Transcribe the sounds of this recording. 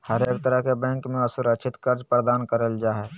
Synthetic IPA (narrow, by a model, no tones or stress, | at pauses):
həɾeːkt̪əɾəɦkebɛ̃ːŋkmẽəsʊɾəkt͡ʃʰɪt̪kəɾd͡ʒpɾəd̪aːnkəɾəld͡ʒaːɦɛː